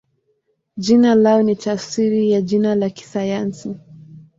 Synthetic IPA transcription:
ʄinalaɔnitasiɾijaʄinalaki̥sajansi

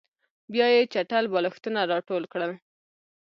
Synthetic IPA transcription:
bjɑjet͡ʃaʈalbɑləxt̪ənaɾɑʈolkɽə

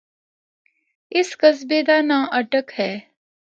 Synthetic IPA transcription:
ɪskəs̬beːd̪aːnãːʔəʈəkhɛː

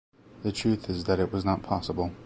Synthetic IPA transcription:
ðətʰɹ̥ʉˑθɪzðəɾɪʔwɒznəʔ̚pʰɒsəbəlˠ

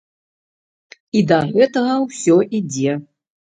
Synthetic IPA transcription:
id̪ɐɣɛt̪ɐɣɐwsʲɔʔid͡zʲɛ

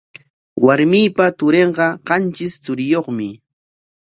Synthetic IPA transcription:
waɾmiːpat̪ʊɾeɴɢɑɢɑnt͡ʃɪst͡sʊɾɪjoχmɪ

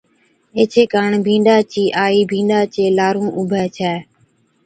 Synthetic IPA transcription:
eːt͡ʃʰeːkaːɳbʱĩːɳɖaːt͡ʃiːʔaːiːbʱĩːɳɖaːt͡ʃeːlaːɾũːʔʊbʱɛːt͡ʃʰɛː

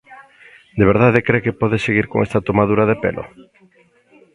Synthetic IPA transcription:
d̪eβeɾðaðekɾekepɔðeseɣiɾko̰ŋest̪at̪omaðuɾaðepḛlʔo̰

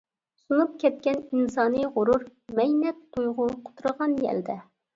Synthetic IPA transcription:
sunup̚kʲʰɛt̪̚kʲɛninsɑːnɨʁʊɾuɾmɛjnɛt̪t̪ʰujʁʊqʰʊ̥t̪ʰɾəʁɑnjɛ̰ld̪ɛ

